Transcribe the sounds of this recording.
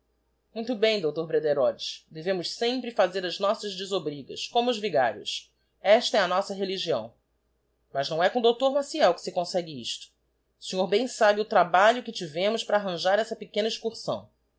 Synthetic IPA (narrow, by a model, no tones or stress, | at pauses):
mũj̃t̪ʊbẽj̃d̪owt̪oɾbɾed̪eɾɔd͡ʒɪsd̪evẽmʊʃsẽmpɾɪfazeɾɐznɔsɐzd͡ʒɪzobɾiɡɐ̰skõmʊːzviɡa̰ɾjʊ̰s | ɛʃt̪ɐɛɐnɔsɐɦeliʒiɐ̰̃w̃ | mɐznɐ̃w̃ɛkõd̪owt̪oɾmasiɛwkɪ̥sɪkõsɛɡɪḭʃt̪ʊ̥ | seɲoɾbẽj̃sabɪʊt̪ɾabaʎʊkɪt͡ʃivẽmʊʃpɾaːɦɐ̃ʒaɾɛsɐpekẽnɐiʃkuɾsɐ̰̃w̃